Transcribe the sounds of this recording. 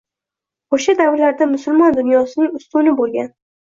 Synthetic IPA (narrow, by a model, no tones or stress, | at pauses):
oʃad̪awɾɪlaɾd̪amʊsʊlˠmɒnd̪ʊnjɒsɪnɪŋʊst̪ʊnɪbolˠɡʲan